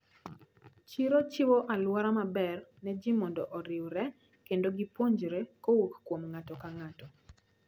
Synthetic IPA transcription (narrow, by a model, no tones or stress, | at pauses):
t͡ʃiɾot͡ʃɪwoʔalwaɾamabɛrnɛd͡ʒimɔndɔʔɔɾɪwɾɛ | kendoɡɪpoɲd͡ʒɾekowukkwomŋatɔkaŋatɔ